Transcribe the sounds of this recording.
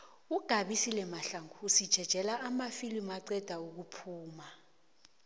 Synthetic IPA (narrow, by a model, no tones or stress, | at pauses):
uɡ̥ʱaɓisilɛmaɬaŋuusid̥ʒ̥ʱɛd̥ʒ̥ʱɛlaʔːmafilimaǀɛd̥ʱauk̬upʰuːma